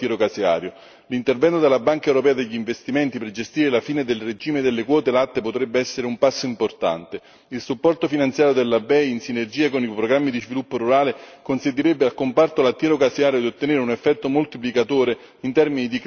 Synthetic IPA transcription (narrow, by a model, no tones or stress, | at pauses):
ɛɾokasea̰ːɾjo | lint̪ervɛnt̪od̪elːabaŋkaewɾopɛːad̪eʎːiɱvest̪imɛnt̪iperd͡ʒest̪iːɾelafiːned̪elred͡ʒiːmed̪elːekwɔːt̪elat̪ːepot̪ɾɛbːeɛsːeɾeumpasːoimport̪a̰nt̪e | ilsupːɔrt̪ofinant̪sjaːɾjod̪elːabɛjinsinerd͡ʒiːakonipɾoɡɾamːid̪izvilupːoɾuɾaːlekonsent̪̬ːiɾɛbːealkompart̪olat̪ːjɛɾokasiaːɾjod̪iot̪ːeneɾeunefːɛt̪ːomolt̪iplikat̪oːɾe | int̪ɛrminid̪ik